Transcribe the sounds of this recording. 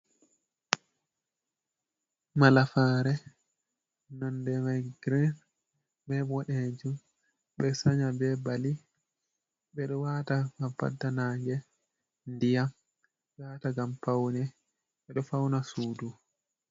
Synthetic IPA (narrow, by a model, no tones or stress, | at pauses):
malafaːɾɛ | nɔndɛmajɡɾɛn | ɓɛbɔɗɛd͡ʒu | ɓɛsaɲabɛbali | ɓɛɗɔwataɡampːa̰dːanaːŋɡɛ | ndijam | ɓɛwataɡampawnɛ | ɓɛɗɔfawnasuːdu